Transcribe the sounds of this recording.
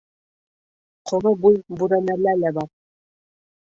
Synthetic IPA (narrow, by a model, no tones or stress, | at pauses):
qʰŏɾɤbujbuɾænælælæbɑɾ